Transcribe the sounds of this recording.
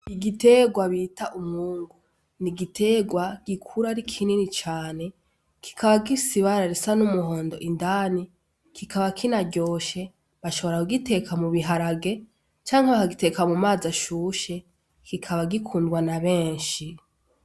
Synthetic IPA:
iɡite̞ɡwaβiːtaʔumŋuːŋɡu | niɡitʰe̞ɡwaɡ̥ikʰuɾaɾikʰininit͡ʃaːne̞ | kʰi̥kʰaβaɡisiβaɾaɾesanumuho̞ːndo̞̰ʔindaːni | kʰikʰaβakʰinaɟo̞ːʃe̞ | βaʃo̞βo̞ɾakuɡite̞kʰamuβiɦaɾaɡe̞ | t͡ʃaːŋhaβakaɡitekamumaːzaʃuːʃe̞ | kikʰaβaɡikʰuːndɡwanaβe̞ːnʃi

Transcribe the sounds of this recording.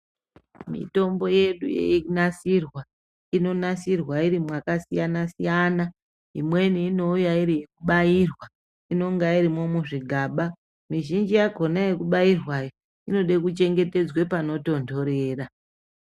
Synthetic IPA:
mḭto̞mbo̞je̞ɗṵjḛiknasirwa | ino̞nasirwaiɾimwakasijanasijana | ɦimwe̞niːno̞ujaiɾijekuɓairwa | ino̞ŋɡaiɾimo̞muʐiɡʱaːɓa | miʒind͡ʒijaɡʱo̞najekuɓairwajo | ino̞ɗekut͡ʃe̞ŋɡe̞te̞d͡zwepano̞to̞ndo̞ɾe̞ːra

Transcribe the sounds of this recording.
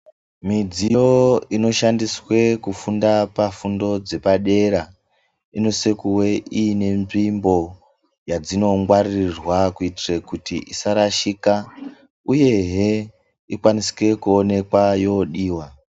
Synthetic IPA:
mid͡zijo̞ino̞ʃandiswe̞kufundapafundo̞d͡ze̞paɗe̞ɾa | ino̞se̞kuwe̞ʔiːne̞ɱimbo̞ | jad͡zino̞ŋɡwarirwakuitirekutiʔisaɾaʃika | uje̞ɦe | ikwanisi̥ke̞kuone̞kwajo̞ɗiːwa

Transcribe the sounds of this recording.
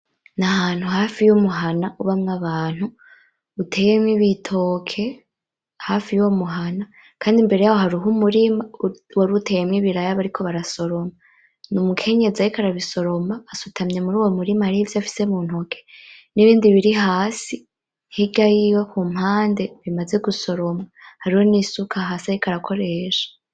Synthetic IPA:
nahaːn̥huɦaːfijumuɦanaʔuβamŋaβaːn̥hu | utʰe̞jemɲiβitʰo̞ːkʰe̞ | haːfijuwomuɦana | kʰaːndimbe̞ɾe̞jawo̞ɦaɾuɦumuɾimawoɾutʰe̞jemɲiβiɾajaβaɾikʰo̞βaɾaso̞ɾo̞ma | numukʰe̞ɲe̞ziajikaɾaβiso̞ɾo̞maːsutʰamɲe̞muɾuːwo̞muɾimahaɾihivjafi̥se̞muːn̥hokʰe̞̥niβiːndiβiɾiɦaːsi | hiɡajiwokuːm̥haːnde̞βimaze̞ɡuso̞ɾo̞mahaɾiho̞niːsukʰaɦasajikaɾakʰo̞ɾe̞ʃḁ

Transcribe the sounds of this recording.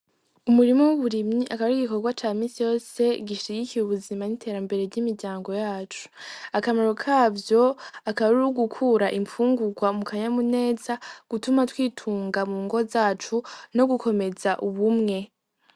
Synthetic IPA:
umuɾimo̞wuβuɾimɲiʔakaβaɾiɡiko̞ɾɡwat͡ʃaːmiːsijo̞ːse̞ɡiʃiikijuβuzimanitʰe̞ːɾambe̞ɾe̞ɟimiɾɟaːŋɡo̞jaːt͡ʃu̥akamaɾokʰaːvjo̞akaβaɾuɾuɡukʰuːɾaʔiɱfuːŋɡuɡwamukʰaɲamune̞ːzaɡ̥utumatwiːtʰuːŋɡamuːŋɡo̞zaːt͡ʃuno̞ɡukʰo̞me̞zaʔuβumŋe̞

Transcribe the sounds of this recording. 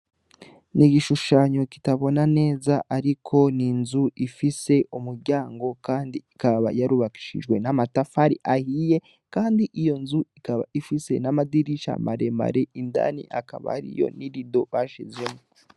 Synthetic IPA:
niɡiʃuʃaːɲoki̥taβo̞nane̞ːzaʔaɾikʰo̞ninzuʔifise̞ʔumuɾɟaːŋɡo̞kaːndiikaβa̰jaɾuβaki̥ʃḭʒɡwe̞namatafaɾḭʔahije̞ | kaːndiʔijo̞nzuikaβa̰ifise̞̰namadiɾiʃa̰ma̰ɾe̞ma̰ɾeinda̰nḭʔaka̰βa̰ha̰ɾḭjo̞̰niɾido̞βaʃizwemo

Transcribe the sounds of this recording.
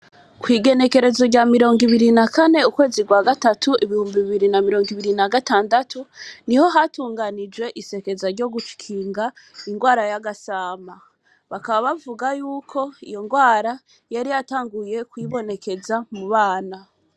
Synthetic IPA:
kwiːɡe̞ne̞ke̞ɾe̞zo̞ɟamiɾo̞ːŋɡiβiɾinakane̞ukwe̞ːziɡwaːɡatatuʔiβihuːmbiβiβiɾinamiɾo̞ːŋɡiβiɾinaɡataːndatʰuniho̞ɦatuːŋɡanid͡ʒwe̞ʔise̞ke̞zaɾɟo̞ɡuʃi̥kʰiːŋɡa | iŋɡwaːɾajaɡasaːma | βakaβaβavuɡajuːkʰo̞ḭjo̞ŋɡwaːɾa | jaɾijataːŋɡuje̞kwiːβo̞ne̞ke̞zamuβaːna

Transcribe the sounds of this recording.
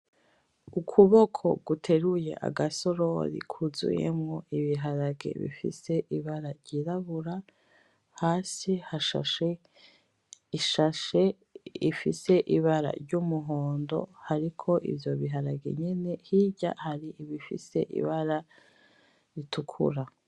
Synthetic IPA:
ukʰuβo̞kʰo̞̰ɡutʰe̞ɾuje̞̰ʔa̰ɡaso̞ɾoɾḭkʰuzṵjḛmŋoʔiβiɦaɾaɡḛβḭfḭse̞ʔiβaɾaɾɟiːɾaβuɾa | haːsihaʃa̰ʃe | iʃaʃe̞ | ifise̞ʔiβaɾa̰ɾɟuːmuɦoːndo̞̰haɾikʰo̞ʔḭvjo̞βiɦaɾaɡḛɲene̞hiɟa̰haɾiʔiβifḭse̞̰ʔḭβaɾa | itʰukʰṵɾa

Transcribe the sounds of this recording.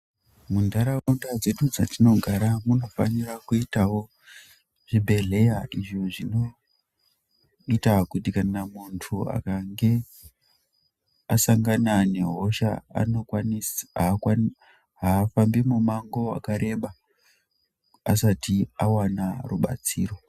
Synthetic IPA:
mundaɾandad͡ze̞ɗud͡zatino̞ɡʱaɾamuno̞fa̰nirakuitawo̞ | ʐ̥ibʱe̞ɮe̞jaʔiʐoʐino | itakutikanamuntʰua̰kaŋɡe | asaŋɡanane̞ɦoʃa̰a̰no̞kwanisakwa | ɦaːfambimumaŋɡo̞a̰kaɾe̞ɓa | asatiawanaruɓa̰t͡siːro̞

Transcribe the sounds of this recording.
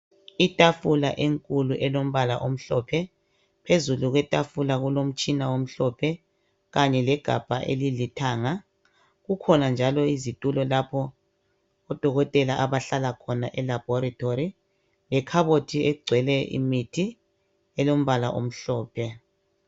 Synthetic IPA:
itʼafulaʔeŋkʼuluʔɛlom̩βalaʔom̩ɬɔpʰɛ | pʰezuluɣwɛtʼafulaɣulom̩t͡ʃʼinawom̩ɬɔpʰɛ | ɣaɲɛlɛɡ̥ʱa̰b̥ʱa̰ʔḛlilitʰaːŋa | ɣukʰɔnand͡ʒʱalɔizitʼulɔlapʰɔː | d̥ʱɔɣɔtʼɛlaʔaβaɬalakʰɔnaʔɛlab̥ʱɔɾatʰoɾi | lɛkʰaβotʰiɛɡ͡ǀʱwɛlɛʔḭmitʰi | ɛlom̩βala̰ʔom̩ɬɔːpʰɛ

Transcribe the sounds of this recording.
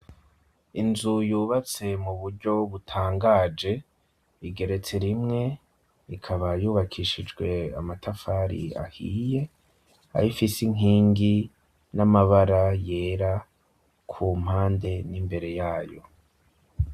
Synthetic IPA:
inzujuːβat͡se̞muβuɾɟo̞βutʰaːŋɡaːd͡ʒe̞ | iɡe̞ɾe̞t͡se̞ɾimŋe̞ | ikʰaβajuːβakʰiʃid͡ʒɡwe̞amatʰafaːɾḭa̰hḭje̞ | a̰ɾifisiŋ̥ɦiːŋɡi | namaβaɾaje̞ːɾa | kʰum̥haːnde̞nimbe̞ɾe̞jaːjo̞̰

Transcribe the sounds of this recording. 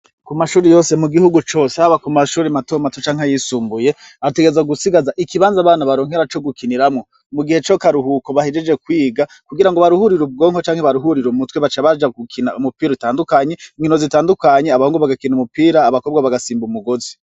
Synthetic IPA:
kumaʃuːɾejo̞ːse̞muɡihuɡut͡ʃo̞ːsehaβakumaʃuːɾematomatot͡ʃaːŋajisuːmbuje̞ | ate̞ɡeezaɡusiɡazaʔikiβaːnzaβaːnaβaɾo̞ːŋ̥eɾat͡ʃo̞ɡukiniɾamŋo̞ | muɡihe̞t͡ʃo̞kaɾuhuko̞βahed͡ʒe̞d͡ʒe̞kwiːɡakuɡiɾaŋɡo̞βaɾuhuɾiɾub̚ɡo̞ːŋhot͡ʃaːŋ̥heβaɾuɦuɾiɾumutweβat͡ʃaβad͡ʒaɡukʰinaumupiːɾutaːndukaɲe̞iŋinozitaːndukaɲeaβahoŋɡoβaɡakinumupiːɾaːβakobɡwaβaɡasiːmbumuɡo̞zi

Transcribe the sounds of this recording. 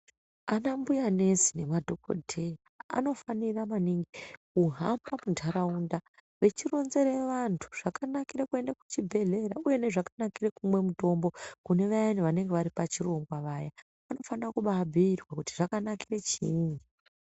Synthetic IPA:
anambujane̞si̥ne̞madʱo̞ko̞̰dʱe̞raa̰no̞faniramaniŋɡikuɦambamuntʰaɾaunda | ʋe̞t͡ʃiro̞nze̞ɾeʋantʰu̥ʐ̥akanakiɾakue̞ndaku̥t͡ʃibʱe̞ɮe̞ɾauje̞ne̞ʐakanakirekumwe̞muto̞mbo̞kune̞ʋajanuʋane̞ŋɡeʋaɾipat͡ʃiro̞ŋɡwaʋaːja | ʋano̞fanirakuɓabʱiirwakuti̥ʐakanakiret͡ʃiiŋi

